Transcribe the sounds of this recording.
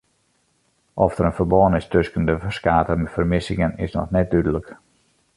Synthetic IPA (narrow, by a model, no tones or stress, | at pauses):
ʔɔfd̥əɾənfərbɔənɪstøskən̩dəəskaːtəmɛfərmɪsɪŋənɪ̰snɔ̰xnɛt̚dydələk